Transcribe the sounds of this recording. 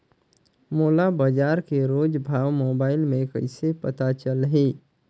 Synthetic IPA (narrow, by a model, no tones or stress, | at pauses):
moːlabəd͡ʒaːɾkeɾoːd͡ʒbʱaːʋmoːbaːɪlmẽkə̰ɪsepət̪at͡ʃəlɦe